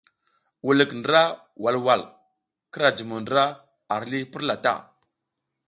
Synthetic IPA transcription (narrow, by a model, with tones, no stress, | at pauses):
wu˨lə˨kndə˦ɾa˦ | wa˨lwa˨l | kə˦ɾa˨d͡ʒi˨mu˨ndə˨ɾa˦ | a˨ɾli˦pi˦ɾla˨ta̰˦˨